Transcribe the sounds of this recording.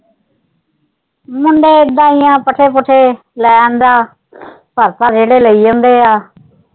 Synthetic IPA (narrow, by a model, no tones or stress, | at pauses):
mʊɳɖeːd̪ãːijãːpəʈʰeːpʊʈʰeː | lɛːnd̪aː | pʰəɾt̪aːd͡ʒeːɽeːləiːõnd̪eːaː